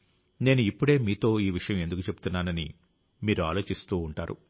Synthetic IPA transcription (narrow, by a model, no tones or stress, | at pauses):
ne̞ːnuipːuɽe̞ːmiːt̪o̞ːiːʋiʂɐjɐ̃mend̪ukut͡ʃe̞bu̥t̪unːaːnɐni | miːɾua̰ːlo̞ːt͡ʃist̪uːɳʈa̰ːɾṵ